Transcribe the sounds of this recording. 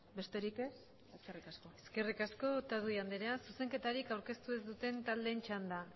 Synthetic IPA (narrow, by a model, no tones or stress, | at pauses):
be̞st̪e̞ɾike̞s | eskerikaskoeske̞rikasko̞t̪aðuiand̪eɾeansuse̞ŋke̞t̪aɾikawɾke̞st̪ue̞zd̪ut̪e̞nt̪ald̪e̞nt͡ʃand̪a